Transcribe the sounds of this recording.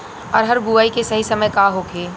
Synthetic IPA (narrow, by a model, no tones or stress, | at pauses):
ɔːɾɦɐɾɡuʋaːikesɐɦisɐməjkaɦoːkʰeː